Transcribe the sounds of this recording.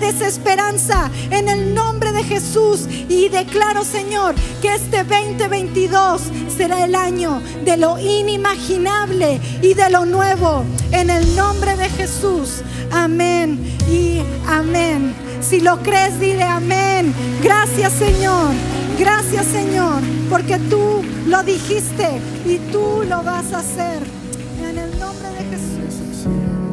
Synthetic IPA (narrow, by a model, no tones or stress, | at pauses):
ðese̞speɾansa | ene̞lnõ̞mbɾe̞ðe̞xe̞sus | iðe̞klaɾo̞seɲo̞ɾkeest̪e̞βejnt̪eβejnt̪iðo̞sː | e̞ɾaelaɲo̞ | ðe̞lo̞inimaxinaβle̞ | iðe̞lo̞nwe̞βoene̞lnõ̞mbɾe̞ðe̞xe̞sus | amẽn | i | amẽn | silo̞kɾe̞zd̪ileamẽnɡɾasjaseɲoɾɡɾasjase̞ɲo̞ɾpo̞ɾke̞t̪u | lo̞ðixist̪e̞ | it̪ulo̞βasaseɾ | ene̞lnõmbɾeðexesus